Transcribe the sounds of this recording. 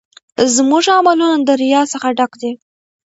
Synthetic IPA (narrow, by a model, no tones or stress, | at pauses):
zmuʐamalunad̪əɾɪjɑsəxaɖakd̪e